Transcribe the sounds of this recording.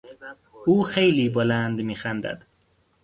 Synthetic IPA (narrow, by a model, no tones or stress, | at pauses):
ʔuːxejliːbolænd̪miːxænd̪æ̰d̪̥